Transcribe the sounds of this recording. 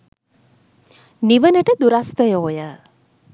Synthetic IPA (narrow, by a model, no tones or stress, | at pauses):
niʋənəʈəd̪uɾast̪əjoːjə